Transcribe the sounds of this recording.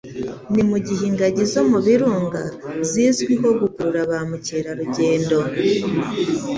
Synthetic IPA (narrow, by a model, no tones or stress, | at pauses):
nimuɟiɦiːŋɡaɟizo̞muβiɾuːŋɡa̰ziːzɡwiɦo̞ɡukuɾuɾaβamuceːɾaɾuɟe̞ːndo̞